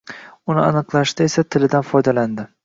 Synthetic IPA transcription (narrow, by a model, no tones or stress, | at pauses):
ʊnɪanɨqlˠaʃt̪aesat̪ʰɪlɪd̪anfɒjd̪aland̪ɪ